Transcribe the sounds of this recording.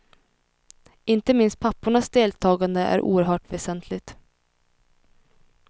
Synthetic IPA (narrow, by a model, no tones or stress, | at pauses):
ɪnt̪əmɪnst̪̚pʰapːʊɳasd̪eːlt̪ʰɑːɡand̪əʔæ̰ɾʔṵːəɾɦœːʈvɛsɛnt̪ʰlɪt̪